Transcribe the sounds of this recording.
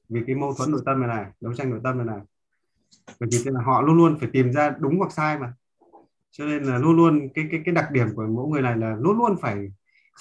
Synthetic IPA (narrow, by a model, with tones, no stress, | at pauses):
vi˨˩kaː˨˦jmə˧wt̪ʰwə˨˦nːɗo̰˧˨jt̪ə˧mha˨˩jnaː˨˩ɗə˨˦wt͡ɕa˧jŋɗo̰˧˨jt̪ə˧mha˨˩jnaː˨˩j | vəː˧˩t̪ʰi˨˩˧aː˨˩ɦɔ̰˧˨lu˧nlu˧ənfaː˧˩jt̪i˨˩mzaː˧ɗʊ˨˦ŋ͡mwa˨˩k̚saː˧jmaː˨˩ | t͡ɕɔ˧ne˧nlaː˨˩lu˧ənlu˧ənkaː˨˦jkaː˨˦jkaː˨˦jɗa˨˩k̚ɗi˧˩əmku˧˩əmo̰˧˥jŋɨ˨˩əjna˨˩jlaː˨˩lu˧ənlu˧ənfaː˧˩j